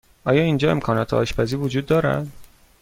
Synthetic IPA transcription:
ʔɒːjɒːind͡ʒɒːe̞̰mkʰɒːnɒːt̪ʰeɒ̰ːʃpʰæziːvod͡ʒuːd̪ːɒːɾæ̰d̪̥

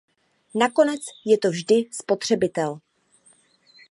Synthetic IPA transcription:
nako̞nɛt͡sjɛt̪o̞vʒdɪspo̞t̪r̝̥ɛbɪt̪ɛl

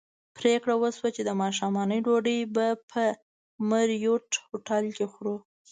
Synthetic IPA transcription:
pɾekɽawəswat͡ʃed̪əmɑʃɑmɑnəjɖoɖəjbapʰə | məɾjoʈhoʈalkexɾu

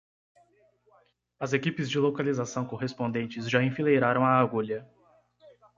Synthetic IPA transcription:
ɐzekipɪzd͡ʒɪlokalizasɐ̃w̃koɦespõnd̪ẽnt͡ʃɪzʒaẽfilejɾaɾɐ̃w̃aːɡuʎɐ

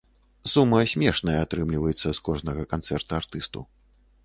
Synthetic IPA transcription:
sumːɐsʲmʲɛʂnɐjɐat̪ɾɨmlʲivɐjɛt̪sːɐskɔʐnɐɣɐkant̪sɛrt̪uart̪ɨst̪ṵ

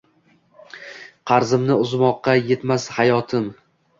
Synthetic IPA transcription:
qʰɑɾzɪmnɪʊzmɒqːɑje̞t̪mashajɒt̪ʰɪm

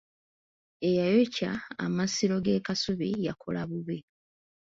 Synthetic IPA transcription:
e̞jajoca̰ːmasiɾo̞ɡe̞ːkasuβijakʰo̞̰laβuβi

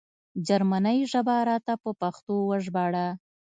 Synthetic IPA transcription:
d͡ʒaɾmanəjʒabaɾɑt̪apəpaxt̪owaʒbɑɽa

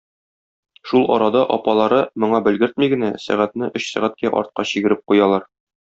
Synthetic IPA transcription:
ʃulˠʔɒ̰ɾɑd̪ɑʔɒpɑlˠɑɾɤmŏɴɑbɘ̆lɡɘɾt̪miɡɘ̆næsæ̰ʁæt̪̚nɘʔɵɕsæʁæt̪̚kæʔɒ̰ɾt̪̚qɑɕiɡɘ̆ɾɘp̚qujɑlˠɑɾ

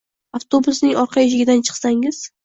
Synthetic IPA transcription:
aft̪ʰo̞bʊsnɪŋɒɾqʰɑjɪʃ̬ɪɡʲɪd̪ant͡ʃʰɨ̥χsaŋɪz̥

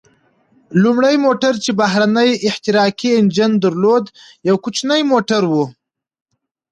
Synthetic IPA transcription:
lumɽajmoʈaɾt͡ʃebaɦɾanəjɪht̪ɪɾɑkiend͡ʒɪnd̪əɾlod̪ | jawkut͡ʃnəjmoʈaɾwu

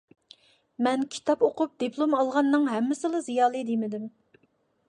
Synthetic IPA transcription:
mɛnkʲʰi̥t̪ʰɑpoqʰʊp̚d̪̥ipʰlˠomɑlˠʁɑnːɨŋɦɛmːɪsɨlˠɨzijɑːlˠɨd̪emɪd̪ɪm

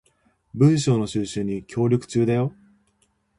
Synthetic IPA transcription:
bɯ̟̃ɰ̃ɕ̬o̞ːno̞ɕɨːɕɨ̃ɲ̟ːikʲʰo̞ːɾʲokɯ̟̥t͡ɕɨːd̪ajo̞

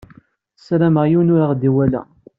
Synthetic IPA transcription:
sɾæməʁjunʊɾaʁd̪iwælæ̰

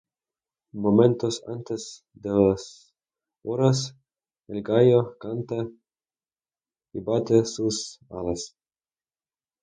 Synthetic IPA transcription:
moment̪osa̰nt̪es | d̪elas | oɾas | elɡajokant̪a | ibat̪esusa̰las

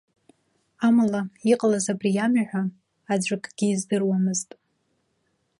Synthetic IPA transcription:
amalaiqʼlazabrijamaħʷᶣa | ad͡ʒʷakʼɡ̥ʲiːzdɨrwamɨztʼ

